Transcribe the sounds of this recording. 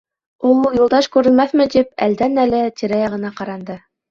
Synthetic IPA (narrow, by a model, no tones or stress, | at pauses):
ulˠulˠjulˠd̪ɑʃkʉɾɘ̆lmæθmɘ̆t̪ip̚æ̰ld̪ænælɘt̪iɾæjɑʁɤ̆nɑqɑɾɑnd̪ɤ